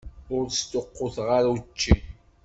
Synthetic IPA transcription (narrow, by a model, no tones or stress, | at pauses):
ʊɾst̪oqːʊθʁaɾt͡ʃːi